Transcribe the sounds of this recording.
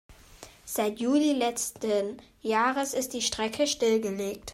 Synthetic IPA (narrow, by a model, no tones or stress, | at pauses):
z̥aɪtʰjuːlilɛt͡stən | jaːʁəsɪst̚d̥iːʃtʁ̥ɛkʰəʃtɪlɡəleːk̚t